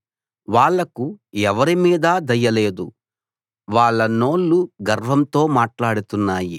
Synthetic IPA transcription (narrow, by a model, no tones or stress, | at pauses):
ʋaːɭːɐkuɛʋɐɾimiːd̪ad̪ɐjːɐle̞ːd̪u | ʋaːɭːɐno̞ːɭːuɡɐɾʋɐmt̪o̞ːmaːʈlaːɽut̪unːaːjḭ